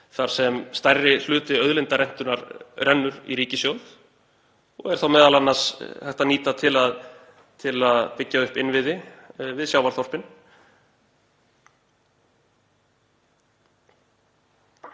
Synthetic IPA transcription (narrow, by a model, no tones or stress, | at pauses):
θaɾ̥sɛmst̪ajrɪl̥ʏːt̪ɪœðlɪnt̪aɾɛn̥t̪ʏnaɾrɛnːʏɾḭɾiːcɪsjowð | ɔ̰ɣɛɾ̥θawmɛːðalanːasθɛht̪aniːt̪at̪ʰɪlað | t̪ʰɪlaðpɪcːaʏhpɪnvɪðɪvɪðsjawvaɾθɔr̥pɪn